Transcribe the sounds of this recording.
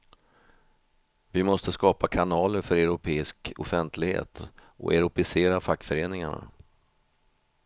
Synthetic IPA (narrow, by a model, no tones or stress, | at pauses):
vɪmɔst̪əskɑːpakʰanɑːləɾfœɾɛʊɾʊpʰeːɪskɔ̰fɛnt̪ʰlɪɡhḛːt̪ʔɔ̰ʔɛ̰ɾʊpɪseːɾafakːfœɾeːnɪŋaɳa̰